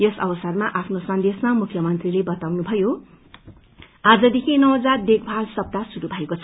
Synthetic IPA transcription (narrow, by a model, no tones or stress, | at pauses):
jʌsʌ̰bʌsʌrmaʔapʰnosʌnd̪esmamukʰːjʌmʌnt̪rilebʌt̪awnubʱʌjo | ad͡zʌd̪ekʰinʌwd͡zad̪ek̚bʱalsʌp̚t̪asuɾubʱʌekot͡sʰʌ